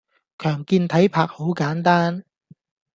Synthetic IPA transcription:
kʰœː˨˩ŋkiː˧nt̪ʰɐ˨˥jpʰaː˨k̚ho˨˥wkaː˨˥nt̪aː˥n

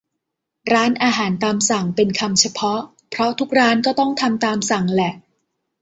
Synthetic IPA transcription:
ɾaː˦˥nʔaː˧ɦaː˩˦nt̪aː˧msa˨˩ŋpe˧nkʰa˧mt͡ɕʰa˧pʰɔ˦˥ʔ | pʰɾɔ˦˥t̪ʰu˦˥k̚ɾaː˦˥nkɔː˥˩t̪ɔ˥˩ŋt̪ʰa˧mt̪aː˧msa˨˩˦ŋlɛ˨˩ʔ

